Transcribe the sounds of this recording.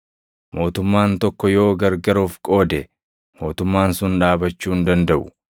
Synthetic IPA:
mo̞ːt̪ʊmːaːnt̪ɔkːɔjo̞ːɡɐɾɡɐɾoːfkʼo̞ːd̪ɛ | mo̞ːt̪ʊmːaːnsʊnᶑaːbɐt͡ʃːuːnd̪ɐnd̪ɐʔʊ̥

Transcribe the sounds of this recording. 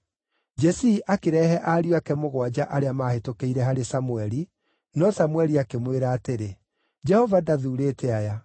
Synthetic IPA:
d͡ʒɛsiːʔakeɾɛɦɛʔaːɾiakɛmoɣwad͡ʑaʔaɾeamaːhetokeiɾɛɦaɾesamuɛɾi | nɔsamwɛɾiakemweɾaːteɾe | d͡ʒɛhɔvadaðuːɾeːtɛaja

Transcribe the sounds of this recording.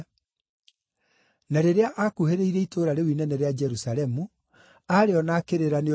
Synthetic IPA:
naɾeɾeaʔakuheɾeiɾɛitʰoɾaɾewinɛnɛɾead͡ʒɛɾusaɾɛmu | aɾeɔnaːkeɾeɾane

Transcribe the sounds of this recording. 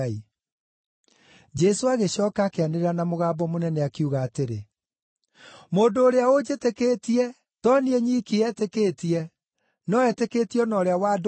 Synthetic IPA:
i | d͡ʒɛsoaɣeɕɔːkaːkeaneɾeɾanamoɣaːbɔmonɛnɛakiuɣaːteɾe | moːndoːɾeaod͡ʒetekeːtiɛ | tɔniɛɲiːkiɛtekeːtiɛ | nɔɛtekeːtiɔnɔːɾeawad

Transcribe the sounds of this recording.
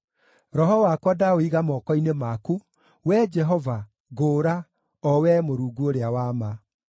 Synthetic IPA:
ɾɔɦɔwakwadaoiɣamɔkɔinemaku | wɛd͡ʒɛɦɔva | ɣoːɾa | ɔwɛmoɾuːɡuoɾeawaːma

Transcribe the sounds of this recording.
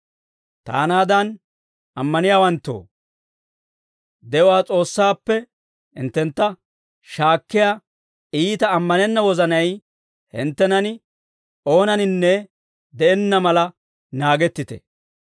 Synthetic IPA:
t̪a̰ːnaːd̪ɐn | ɐmːɐnɪjaːwɐnt̪ːo̰ː | d̪ɛwaːt͡sʼo̞ːsːaːpːɛ | ɪ̰nt̪ːɛnt̪ːɐ | ʃaːkːɪja | iːt̪ɐːmːɐnɛnːɐwɔzɐnɐj | hɪ̰nt̪ːɛnɐnɪ | o̞ːnɐnɪnːɛ | d̪ɛɛnːɐmɐlɐ | naːɡɛt̪ːɪt̪ɛ̰

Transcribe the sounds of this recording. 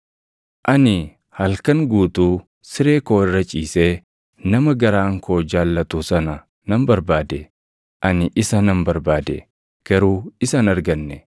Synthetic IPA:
ʔɐnɪ | hɐlkɐŋɡuːt̪uː | sɪɾeːkoːɪrːɐt͡ʃʼiːse | nɐmɐɡɐɾaːŋkoːd͡ʒaːlːɐt̪uːsɐnɐ | nɐmbɐɾbaːd̪ɛ | ʔɐnɪʔɪsɐnɐmbɐɾbaːd̪ɛ̰ | ɡ̥ɐɾuːɪsɐnɐɾɡɐnːɛ

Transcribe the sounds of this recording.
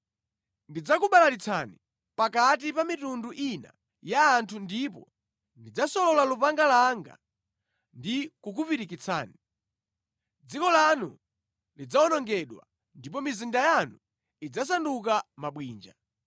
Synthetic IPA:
ndid͡zakuɓalaɾit͡sʰani | pakat̬ipamitunduʔina̰ | jaːntʰundipɔ̰ | ndid͡zasɔlɔlalupaŋɡalaŋɡa̰ | ndikuk̬upiɾikit͡sʰa̰ːni | d͡zikɔlanṵ | lid͡zaɔnɔŋɡɛɗwa̰ | ndip̬ɔmizindajanu | id͡zas̬anduk̬amaɓwiːnd͡ʒa̰

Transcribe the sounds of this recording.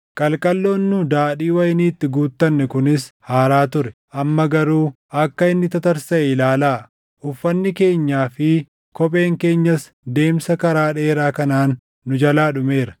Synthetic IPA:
kʼɐlkʼɐlːoːnːʊd̪aːɗiːwɐjɪniːt̪ːɪɡuːt̪ːɐnːɛkʊnɪshaːɾaːt̪ʊɾɛʔɐmːɐɡɐɾuː | ɐkːɐɪnːɪt̪ɐt̪ɐɾsɐlaːlaː | ʔʊfːɐnːɪke̞ːɲːaːfɪ | kɔpʼe̞ːŋke̞ːɲːɐs | d̪e̞ːmsɐkɐɾaːᶑeːɾaːkɐnaːnː | ʊd͡ʒɐlaːᶑʊme̞ːɾɐ̥

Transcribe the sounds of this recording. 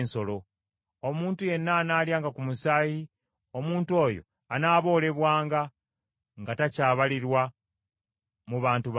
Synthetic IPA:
nso̞lo̞ | omuːntuje̞nːaːnaːljaːŋɡakumusaːji | o̞muːntuo̞ːjo̞̰ | anaːβo̞ːle̞βwaːŋɡa | ŋɡatacaːβaliɾwa | muβaːntuβ

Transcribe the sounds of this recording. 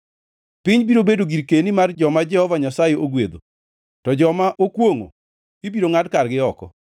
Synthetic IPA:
pɪɲbiɾobedoɡiɾkenimard͡ʒɔmad͡ʒɛhɔvaɲasajeoɡwed̪o̰ | tɔd͡ʒɔmaʔokwoŋo̰ | ibiɾoŋadkarɡɪɔkɔ̰

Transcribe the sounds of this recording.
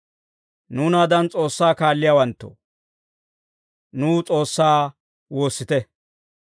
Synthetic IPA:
nuːnaːd̪ɐnt͡sʼo̞ːsːaːkaːlːɪjaːwɐnt̪ːo̰ | nuːt͡sʼo̞ːsːaː | wo̞ːsːɪt̪ɛ

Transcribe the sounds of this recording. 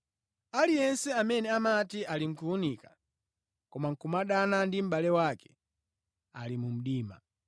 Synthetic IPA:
alijɛnsɛamɛnɛamatialiŋ̩kuunikḁ | kɔmaŋ̩kumaɗanandim̩ɓalɛwakɛ̥ | alimum̩ɗiːma̰

